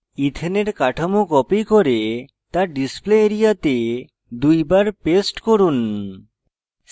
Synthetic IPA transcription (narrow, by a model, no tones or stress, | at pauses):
it̪ʰeneɾkaʈʰamokɔpikɔɾe | t̪aɾɖispleeɾijat̪e | d̪ujbaɾpesʈkɔɾun